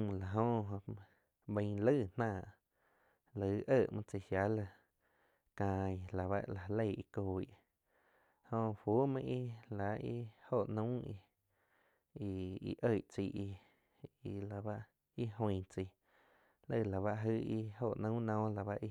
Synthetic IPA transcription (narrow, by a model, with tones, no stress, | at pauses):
la˨ɦõ˧ɦõ˧ | bə̃˧˦lə˦˧˨n̥ãː˧˨ʔ | lə˧˨˧ʔə˧˨ʔmã˧t͡si˧˨hja˨˦la˧˨ | kãː˧˨i˧˨la˨βa̰˦ʔla˨˧le˦˧˨i˧ko˧˨ḭ˦˨ʔ | hõ˧fu˨˦mã˧ʔi˦la˨˦i˦ho˦˧˨ʔnə̃˦i˧ | i˧ḭ˧ʔə˧˨ʔt͡si˧˨ʔi˧ | i˧la˨ba˦ʔ | i˦ɦõ˧j̃t͡si˧˨ | lə˦˧˨la˨βa˦˧ʔɦɨ˦˧i˦ho˧˨ʔnũ˦nɔ̃ː˦la˨βa˧ʔi˧